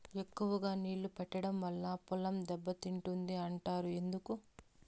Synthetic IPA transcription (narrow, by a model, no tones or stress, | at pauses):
e̞kːuʋɐɡaːniːɭːupɛʈːɐɽɐmʋɐlːaːpulɐmd̪ɛbːɐt̪iɳʈund̪iɐɳʈaːɾue̞nd̪uku